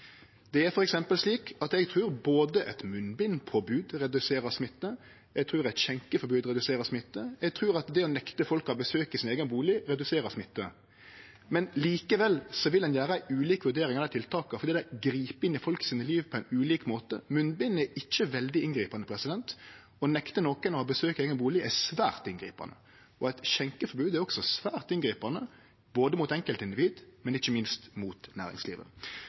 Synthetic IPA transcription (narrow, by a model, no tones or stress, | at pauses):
d̪̥ɛæɾfɔɾɛksɛmpəlsliːkɑt̪ɛɡt̪ʰɾʉːɾboːd̪əʔɛt̪mʉnbɪnfʰɔbʉːd̪ɾɛd̪ʉseːɾəsmɪt̪ːə | ɛɡt̪ʰɾʉːɾæɪt̪ɕɛŋkəfɔɾbʉːd̪ɾɛd̪ʉseːɾəsmɪt̪ːəɛɡ̚t̪ʰɾʉːɾɑt̪d̪ɛɔnɛkt̪əfɔlkɑbəsøːkɪsɪneːɡənbuːlɪɾɛd̪ʉseːɾəɾsmɪt̪ːə̰ | mɛnliːkəʋɛlsɔʋɪld̪ɛnjæːɾəæɪʉːliːkʋʉɾd̪eːɾɪŋɛlɛt̪ɪlt̪ʰɑːkɑfɔɾd̪iːd̪æɡɾiːpɪnːɪfɔlksiːnəliːʋpʰɔɛɪnʉːliːkmoːt̪ə̰mʉnbɪnɛɪt͡ʃːəʋɛld̪ɪɪnɡɾiːpɑnəpʰɾɛsɪd̪ɛnt̪ | ɔnɛkt̪ənɔkənɑʋɔbəsøːkeːɡənbuːlɪʔæsʋæ̰ːɾt̪ɪnɡɾḭːpɑ̰nə̰ | ɔæɪt̪ɕɛŋkəfɔɾbʉːd̪æɾɔksɔsʋæːʁt̪ɪnɡɾiːpɑnə | boːd̪əmut̪ɛŋkəlt̪ɪnd̪ɪʋiːd̪mɛnɪçːəmɪnst̪muːt̪næ̰ːʁɾɪ̰ŋslḭːʋə̰